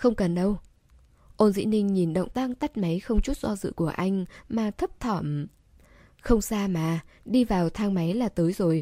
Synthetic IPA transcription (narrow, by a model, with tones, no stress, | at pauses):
xə˧wŋ͡mkə˨˩nɗə˧w | ʔo˧nzḭ˧˥nï˧ŋ̟ɲi˨˩nɗə̰˧˨wŋ͡mt̪a˦˥ŋt̪a˦˥t̚ma˨˦jxə˧wŋ͡mt͡ɕu˦˥t̚zɔ˧zɨ̰˧˨ku˧˩əʔa˧jŋ̟maː˨˩t̪ʰə˦˥p̚t̪ʰɔ˧˩m | xə˧wŋ͡msaː˧maː˨˩ɗi˧vaː˨˩wt̪ʰaː˧ŋma˨˦jlaː˨˩t̪əː˨˦jzo˨˩j